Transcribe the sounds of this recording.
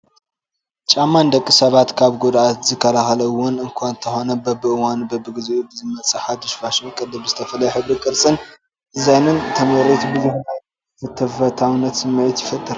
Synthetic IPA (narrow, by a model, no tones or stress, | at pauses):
t͡ʃʼamːand̪ɐkʼːisɐβat̪kʰaβɡod̪ʔat̪zɨkʰːɐlaxɐlɐwʊnɨŋkʷʰant̪ʰɐxo̞nɐbɐbːɨʔɨwanbɐbːɨɡɨzuʔubɨzɨmɐt͡sʼɨħad̪ɨʃfaʃɨnkʼɨd̪ɨbzɨt̪ʰɐfɐlɐjuħɨβɾikʼɨɾt͡sʼɨn | ʔɨzajnɨnt̪ʰɐmɐɾet̪bɨzuħa | fɨt̪ʰːɐfɐt̪ʰawnːɐt̪sɨmɐjɛt̪jɪfɐt̪ʼːɨɾ